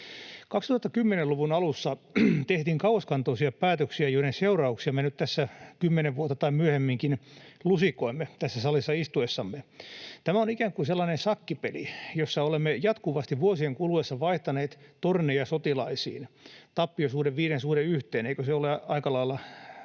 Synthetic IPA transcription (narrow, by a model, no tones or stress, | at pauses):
kɑkst̪uhɑt̪ːɑkymːeneluʋunɑlusːɑt̪eht̪iːŋkɑueskɑnt̪oisiɑpæːt̪øksiæjoiɾenseurɑuksiɑmenyt̪t̪æsːækymːeneʋʋuot̪ːɑt̪ɑimmyøhemːiŋkinlusikoimːet̪æsːæsɑlisːɑist̪uesːɑmːet̪æmæonikæːŋkuselːɑnensɑkːipelḭjosːɑolemːejɑt̪kuʋɑst̪iʋʋuosieŋkuluesːɑʋɑiht̪ɑneːt̪t̪ornejɑsot̪ilɑisḭːnt̪ɑpːiosuːdeʋʋiːɾensuːɾeyht̪eːneikøseoleɑikɑlɑilːɑ